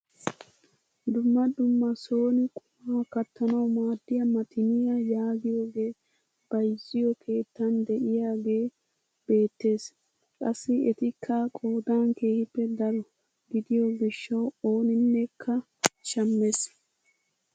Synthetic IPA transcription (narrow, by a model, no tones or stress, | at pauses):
d̪ʊmːɐd̪ʊmːɐso̞ːnɪkʼʊmaːkɐt̪ːɐnɐwmaːd̪ːɪjɐmɐt̪ʰɪnɪjɐjaːɡɪjo̞ːɡe̞ː | b̥ɐjzɪjɔkʰe̞ːt̪ːɐnd̪ɛʔɪjaːɡe̞ː | b̥e̞ːt̪ːe̞ːs | kʼɐsːɪɛt̪ɪkʰːɐkʼo̞ːd̪aːnke̞ːhɪpːɛd̪ɐɾɔ | ɡɪd̪ɪjɔɡɪʃːɐwo̞ːnɪnːɛkʰːɐ | ʃɐmːes